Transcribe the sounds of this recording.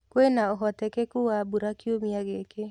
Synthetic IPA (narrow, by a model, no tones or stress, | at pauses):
kwenaoɦɔtɛkekuwabuɾakjomiaɣeke